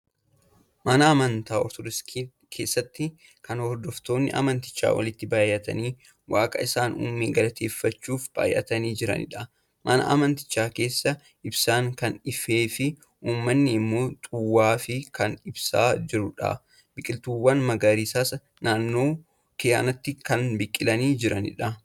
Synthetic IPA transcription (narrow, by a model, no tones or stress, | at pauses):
mɐnɐɐmɐnt̪aːɔɾt̪ɔd̪ɪs | kʰeːsːɐt̪ːɪ | kɐnhɔɾd̪ɔft̪o̞ːnːɪ̰ʔɐ̰mɐnt̪ɪ̥t͡ʃːa̰ːwɐ̰lɪt̪ːɪbaːjːɐt̪ɐ̰niː | waːkʼɐ̰ɪsaːnṵːmːeːɡɐlɐt̪ʰe̞ːfːɐt͡ʃːuːfb̥a̰ːjʔɐ̰t̪ɐniːd͡ʒɪɾɐ̰nɪ̰ᶑɐ | mʔɐnɐ̰ʔɐ̰mɐnt̪ɪ̥t͡ʃːaːke̞ːsːɐ | ʔɪbsaːŋkɐnɪfeːfɪ | ʔuːmːɐnːɪɪmːo̞ːt̪ʼʊwːaːfɪkɐnɪbsa̰ːd͡ʒɪɾʊᶑɐ̰ | bɪkʼːɪlt̪uːwːɐnmɐɡaɾiːsaːsɐ | naːnːo̞ː | kɪja̰ːnɐt̪ːɪkɐnbɪkʼːɪlɐniːd͡ʒɪɾɐnɪ̰ᶑɐ